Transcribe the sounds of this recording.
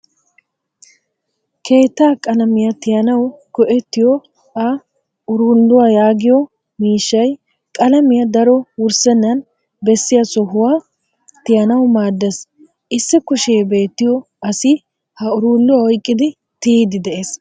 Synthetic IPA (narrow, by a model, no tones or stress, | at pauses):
kʰe̞ːt̪ːaːkʼɐlɐmɪjɐt̪ɪjɐnɐwkɔʔɛt̪ːɪjɔ | ɐ | ʊɾuːlːʊwajaːɡɪjɔ | miːʃːɐj | kʼɐlɐmɪjɐd̪ɐɾɔwʊɾsɛnːɐn | bɛsːɪjɐsɔɦʊwaː | t̪ɪjɐnɐwmaːd̪ːɛs | ʔɪsːɪkʊʃejbe̞ːt̪ːɪjɔ | ɐsɪ | hɐʊɾuːlːʊwaɔjkʼːɪd̪ɪ | t̪iːd̪ɪd̪ɛʔeːs